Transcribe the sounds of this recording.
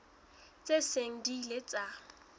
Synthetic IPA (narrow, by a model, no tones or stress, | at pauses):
t͡sʼeseŋ̩dilet͡sʼa